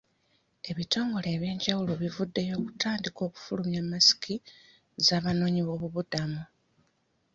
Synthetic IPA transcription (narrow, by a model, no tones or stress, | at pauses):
e̞βitʰo̞ːŋɡo̞le̞ːβje̞ːɲɟawulo̞βivudːe̞jo̞ːku̥taːndiko̞ːku̥fulumjamːasi̥kʰi | zaːβano̞ːɲiβo̞ːβuβudamu